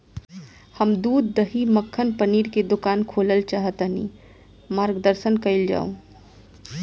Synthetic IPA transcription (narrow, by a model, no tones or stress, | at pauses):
həmd̪uːd̪ːəɦiməkʰːənpəniːɾked̪ʊkaːnkʰoːləlt͡ʃaːɦət̪ənḭː | maːɾɡd̪əɾsənkəɪld͡ʒa̰ːõ̰